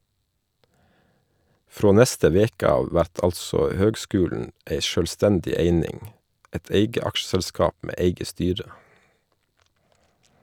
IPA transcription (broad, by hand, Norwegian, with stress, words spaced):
ˈfɾoː ˈnɛstə ˈʋeːkə ˈɑːʋ ˈʋæɾt ˈɑlsɔ ˈhøːɡˌskʉːlɳ̩ ˈʔeɪ ˈʃøːlˌstɛndɪ ˈeɪnɪŋ ˈɛt ˈeɪɡə ˈɑkʃsɛlˌskɑːp ˈmeː ˈæɪɡə ˈstyːɾə